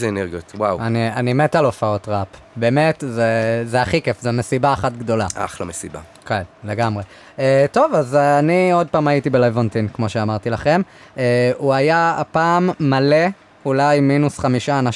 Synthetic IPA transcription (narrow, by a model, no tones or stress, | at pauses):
zeeneʁɡiotwawanianimetalo̞fao̞tʁap | be̞ːmetzezeaχikefzemesibaːχatɡd̪o̞laa̰χlomesiba̰ | kelle̞ɡamʁe̞ | eto̞vazanio̞d̚paːmajitibelajvont̪inkmo̞ʃeamaʁt̪ilaχe̞meuajaapaːmːale̞ | ulajminusχamiʃaːnaʃ